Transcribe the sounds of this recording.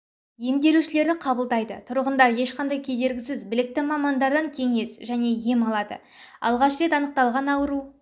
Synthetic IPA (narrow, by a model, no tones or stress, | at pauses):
je̞md̪e̞ɾuʃɪle̞ɾd̪ɪqʰɑbəlˠd̪ɑjd̪ə̰t̪ʰʊɾʁənd̪ɑɾje̞ʃqʰɑnd̪ɑjkʲʰe̞d̪e̞ɾɡʲɪsɪzbɪlɪk̚t̪ɪmɑmɑnd̪ɑɾd̪ɑŋkʲʰe̞ŋe̞sʒæne̞je̞mɑlˠɑd̪ə̰ | ɑ̰lˠʁɑʃɾet̪ɑnəq̚t̪ɑlˠʁɑnɑwəɾu